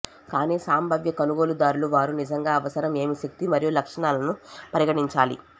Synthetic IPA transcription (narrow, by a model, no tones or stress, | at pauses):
kaːniːsaːmbʱɐʋjɐkɐnuɡo̞ːlud̪aːɾuluʋaːɾunizɐŋɡaːɐʋɐsɐɾɐme̞ːmiʃɐk̚t̪imɐɾijulɐkʂɐɳaːlɐnupɐɾiɡɐʈiɲt͡ʃaːlḭ